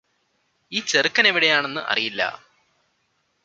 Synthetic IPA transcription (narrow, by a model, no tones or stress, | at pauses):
iːt͡ɕerɨkːɐneʋiɽe̞jaːɳe̞nːɨʔɐ̰rijilːɐ̰